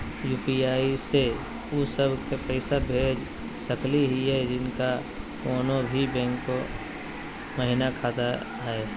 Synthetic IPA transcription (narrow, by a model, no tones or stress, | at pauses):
juːpiaːise | ʊsəbʱkepəɪsabʱeːd͡ʒ | səkliɦiɦɛd͡ʒɪnka | koːnobʱibɛ̃ːŋkːo | məɦɪnakʰaːt̪a | ɦɛː